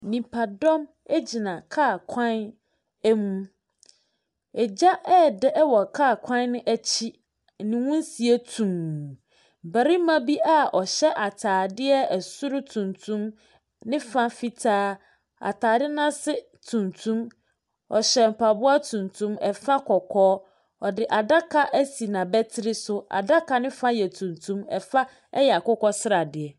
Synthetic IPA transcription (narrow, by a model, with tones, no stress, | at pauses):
nĩ˨pʰa˨dɔ̃˦m | ɛ˦d͡ʑi˨nã˨kʰaː˦˨kʰã˦n | ɛ˦mũ˨ | ɛ˨d͡ʑa˦ʔɛ˦˨dɪ˦ɛ˦wɔ˨kʰaː˦˨kʷʰã˦nː˦ɪ̃˦ʔæ˦t͡ɕʰi˦˨ | nɪ̃˨wũ˦n˦si˨e˦tʰũ˨m˨ | bæ˨ɾi˦mã˦bi˦ʔa˦ɔ˨ɕɛ˦ʔa˨tʰaː˨dɪ˦ɛ˦ɛ˨sʊ˦ɾʊ˦tʰũ˨ntʰũ˦m | nɪ̃˦fã˦fi˦tʰaː˦ | a̰˨tʰaː˨dɪ˦nã˦sɪ˦ | tʰũ˨ntʰũ˦m | ɔ˨ɕɛ˨m̩˨pʰa˨bʊ˦a˦tʰũ˨ntʰũ˦mɛ˨fa˦kʰɔ˨kʰɔː˦ | ɔ˨dɪ˨ʔa˨da˦kʰa˦ʔæ˦si˨nã˨bɛ˦tʰɪ˦ɾɪ˦sʊ˦a̰˨da˦kʰa˨nɪ̃˦fã˦jɛ˨tʰũ˨ntʰũ˦mɛ˨fa˦ | ɛ̰˦jɛ˨a˨kʊ˦kɔ˦sɪ˦ɾa˨dɪ˨ɛ˨